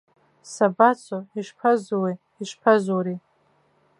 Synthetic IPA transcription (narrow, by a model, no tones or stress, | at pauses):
sabat͡sʰoiʂpʰazwe | iʂpʰazuɾi